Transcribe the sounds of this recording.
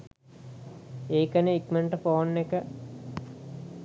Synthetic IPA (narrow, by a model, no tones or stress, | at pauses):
eːkəneikmeɳʈəfoːnːekə